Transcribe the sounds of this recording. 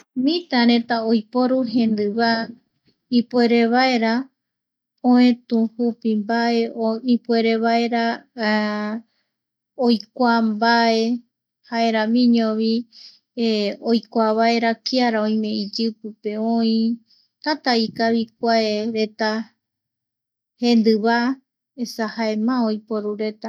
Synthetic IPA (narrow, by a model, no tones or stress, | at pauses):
mĩt̪aɾẽ̞t̪aojpo̞ɾuɦẽ̞nd̪ɨβa | ipue̞ɾe̞βae̞ɾa | õẽt̪ũhupimbaeoipue̞ɾe̞βaeɾa | ojkʷambae̞ | haeɾãmĩɲõβi | ojkʷaβaeɾakiaɾaõj̃mẽ̞id͡ʒɨpɨpe̞õĩ | t̪at̪aikaβik̚ʷaeɾe̞t̪a | hẽ̞nd̪ɨβa | esahaemãojpoɾuɾe̞t̪a